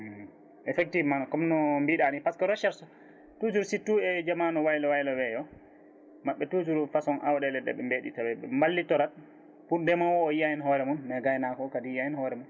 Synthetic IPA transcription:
ʔɛfɛk̚tivmankɔmnɔmbiɗanipaskaɾɔʃaɾsɔ | tud͡ʒuɾsitːuɛd͡ʒamanɔwajlɔwajlɔwɛjɔ | maɓːɛtud͡ʒuɾufasɔnʔawɗɛlɛdɛ̰ɓɛmbeːɗḭtawɛɓɛ̰mbalːitɔɾat̚ | pundɛmawɔːjiajinɦɔɾɛmunːɛɡajnakɔkadijajinhɔɾɛmun

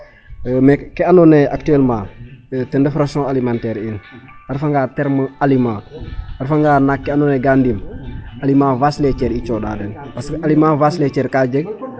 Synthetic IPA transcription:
mekkɛanoneak̚tuɛlmãːtɛndefɾaksõalimantɛːɾinaɾfaŋɡatɛɾməalimãːaɾfaŋɡaːnakːɛandoneɡandimalimãːvaslet͡ʃɛːɾit͡ʃoda̰dɛnpaskalimãːvaslet͡ʃɛɾkaːd͡ʒeɡ̚

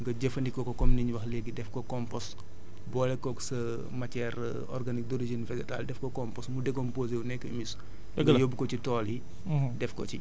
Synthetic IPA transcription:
ŋɡɐɟɐfɐndikːɔkɔkɔmniɲuwɐxlɛɡːidɛfkɔkɔmpɔs | bɔːlɛkːɔːksɐ | mɐcɛɾ | ɔ̰rɡɐnik̚dɔɾiʒinfɛdɛta̰ːldɛfkɔkɔmpɔsmudɛɡɔmpozewnɛkːəmis | ɡjobukɔcitɔːli | dɛfkɔ̰ci

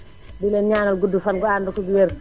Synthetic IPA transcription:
bilɛnɲaːnɐlɡudːufɐnɡɔaːndukɔɡuwɛɾ

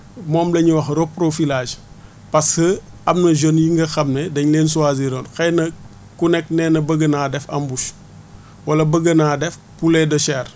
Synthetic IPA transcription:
mɔːmlɐɲuwɐxɾopːɾofilaːd͡ʒ | pɐshə | ɐmnɐʒonjiŋɡɐxɐmnedɐɲleːns̬uaziɾɔːnxɛjnɐ | kunɛk̚nɛːnɐbəɡənaːdɛfɐ̰mbuʃ | wɐlɐbəɡɐnaːdɛf | pulɛdɔʃɛːr

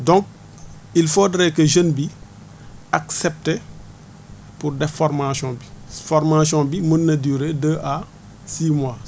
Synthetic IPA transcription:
dɔ̃ŋk̚ | ilfodɾɛkəʒənbi | aksɛp̚te | purdɛffɔɾmasɔ̃bifɔɾmasjɔ̃bimənːɐdyːɾedəʔa | siːmwa

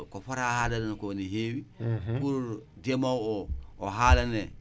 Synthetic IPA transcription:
kofaɾahalannkoniɦeːwikuɾdemawooɦalane

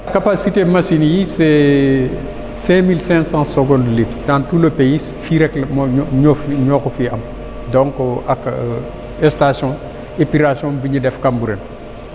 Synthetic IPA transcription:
kapasitemɐsinjisɛ | sɛ̃milsɛ̃sãːsəɡɔ̃ndlitdantuːləpejis | fiɾɛklmɲɔfɲɔːxufiɐm | dɔŋkɔʔakː | ɛstasjɔ̃ | epiɾasjɔ̃biɲidɛfkambuɾɛn

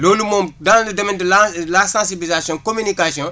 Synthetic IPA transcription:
lolumomdãlədomɛ̃ndəlalasãnsibilizasjɔ̃nkominikasjɔ̃

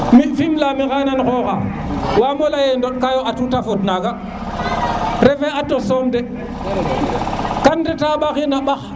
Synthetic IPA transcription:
mifimlamiɣananxoːxa̰ | wamolajendoɗkajoʔatutafotnaɡa | ɾefeatːosonde | kandetaɓaxinaɓax

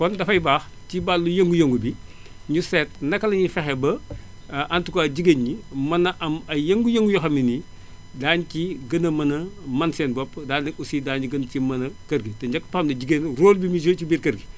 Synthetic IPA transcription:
kɔndɐfɐjbaːx | cibalːujɐŋɡujoŋɡubiɲusɛt̚nɐkːɐlɐɲifɛxɛbɐ | ʔɐntukɔɐɟiɡenɲimɐnɐʔɐmɐjɐŋɡujɐŋɡujɔxɐmini | daːnciɡɐnɐmɐnɐmɐnsɛːnbɔpːdaːndɐusidaːniɡɐncimɐnɐkɐɾɡitɛɲd͡ʒɐkːpɐɐmdɐɟiɡenroːlbimis̬ət͡ʃibiːɾkɐɾɡi

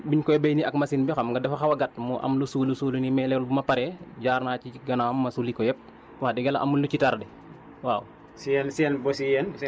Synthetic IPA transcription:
biɲkɔjɛbejniɐk̚mɐsinbixɐmɡɐdɛfɐxɐwɐɡɐt̚muʔɐ̰mlusuːlusuːlunimɛlɛlbumɐpɐɾɛɟaːrnaːciɡɐnamːɐsulikɔjɛp̚ | wɐxdɛɡɛlɐ̰ʔɐ̰mulut͡ʃitardɛ | waːw | siɛnsiɛnbɔsiɛn

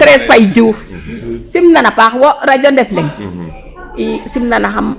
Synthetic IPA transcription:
tɾesfaid͡ʒuːfsimnanapaxwoɾad͡ʒondefleŋ | isimnanaɦam

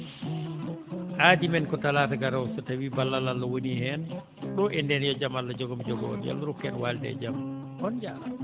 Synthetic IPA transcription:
ʔaːdimɛnkɔtalaːtaɡaɾawsɔtawibalːalalːawonihɛn | ɗɔʔɛndɛnjɔd͡ʒamalːad͡ʒɔɡɔmd͡ʒɔɡɔ̰njɔ̰lːaɾukːɛnwaldɛ̰d͡ʒam | ʔɔnd͡ʒama

